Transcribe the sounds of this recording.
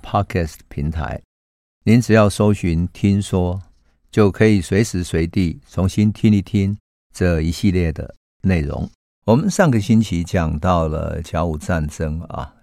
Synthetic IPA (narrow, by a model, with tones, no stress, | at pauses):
pʰa˥kʰɛ˥˩stpʰi˧˥ŋt̪ʰa̰˧˦ɪ | ni˨˦nt͡sɻ̩˨˩jɑ˥˩ʊso˥ʊɕi˧˥nt̪ʰi˥nswɔ˦ | t͡ɕjo˥˩ʊkʰɤ˧˦˥i˨˩swe˧˥ɪʂɻ̩˧˥swe˧˥ɪt̪i˥˩t͡sʰʊ˧˥ŋɕi˦˥nt̪ʰi˥ni˧˩t̪ʰi˦˥n | t͡sə˥˧i˧˥ɕi˥˧ljɛ˥˩d̪ə̰˩ | ne˥˩ɪɻʊ̰˧˥˦ŋ | wɔ˨˩mə˨nʂɑ˥˩ŋɡə˨ɕi˦˥nt͡ɕʰi˧˥t͡ɕja˨˩ŋt̪ɑ˥˨ʊlə̰˩t͡ɕja˧˥ʊu˨˩t͡sa˥˨nt͡sə˦ŋa̰˨˩